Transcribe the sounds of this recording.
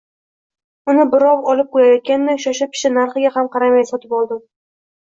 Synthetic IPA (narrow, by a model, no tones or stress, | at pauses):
ʊnɪbɪɾɒwɒlɪp̚qʰojajɒt̪̚kʲannaʊʃaʃap̚kʲʰɪ̥ʃɪnaɾχɨɡʲahamqʰɑɾamajsɒt̪ʰɪpɒlˠd̪ɪm